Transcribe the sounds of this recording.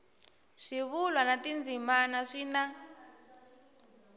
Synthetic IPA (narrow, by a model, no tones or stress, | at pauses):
ʂiβulwanatind͡zimanaʂina